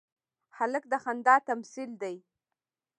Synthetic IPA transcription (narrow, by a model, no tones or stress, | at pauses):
haləkd̪əxand̪ɑt̪amsild̪aj